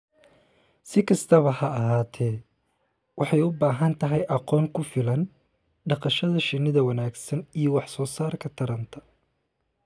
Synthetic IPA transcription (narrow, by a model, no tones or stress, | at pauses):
sɪkʰɐst̪ʰɐβɐhɐːɦaːt̪ʰɛː | wɑħɑjʊbaːɦɐnt̪ʰɐɦɛjʔɑqɔːŋkʰʊfɪlɐn | ɖɑqɑʃɐðɐʃɪnːɪðɐwɐnaːɡsɐnijɔwɑħsɔːsaːrkʰɐt̪ʰɐɾɐnt̪ʰɐ̥